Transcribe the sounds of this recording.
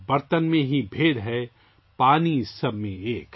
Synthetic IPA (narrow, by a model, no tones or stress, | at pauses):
bɐɾt̪ənmẽɦibʱeːɽɦɛ | paːnisɐbmẽeːk